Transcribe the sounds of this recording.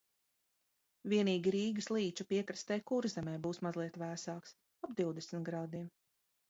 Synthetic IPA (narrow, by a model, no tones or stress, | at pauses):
vʲiɛniːɡʲiɾiːɡɨslˠiːt͡ʃupiɛkɾast̪ɛjkuɾzɛmɛjbuːsmazlˠiɛt̪væːsaːks | ab̚d̪iwd̪ɛsmʲit̪ɡɾaːd̪iɛm